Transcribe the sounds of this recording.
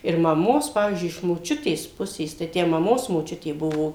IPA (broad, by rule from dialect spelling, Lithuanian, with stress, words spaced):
ɪr mɐˈmoːs ˈpɑːʋʲiːzʲd͡ʒʲʊɪ ɪʃ moːˈt͡ʃʲʊtʲeːs ˈpʊsʲeːs tɐɪ ˈtʲæː mɐˈmoːs moːˈt͡ʃʲʊtʲeː ˈbʊʋoː